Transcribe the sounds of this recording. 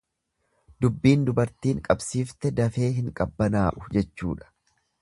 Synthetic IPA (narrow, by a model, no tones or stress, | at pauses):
d̪ʊbːiːnd̪ʊbɐɾt̪iːŋkʼɐbsiːft̪ɛd̪ɐfe̞ːɦɪŋkʼɐbːɐnaːʔʊ̥d͡ʒɛt͡ʃːṵːᶑɐ̥